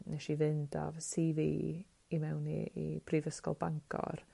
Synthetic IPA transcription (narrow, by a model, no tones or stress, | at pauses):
nɛʃivɨndavsiviː | imɛwnḭḭb̥rivəskɔ̰lˠbaŋkʰɔ̰r